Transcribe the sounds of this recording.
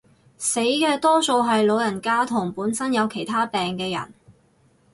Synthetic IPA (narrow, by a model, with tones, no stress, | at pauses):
se˨˥jkɛː˧t̪ɔː˥so˧wɦɐ˨jlo˨˧wjɐ˨˩nkaː˥t̪ʰʊ˨˩ŋpuː˨˥nsɐ˥njɐ˨˧wkʰe˨˩jt̪ʰaː˥pɛː˨ŋkɛː˧jɐ̰˨˩n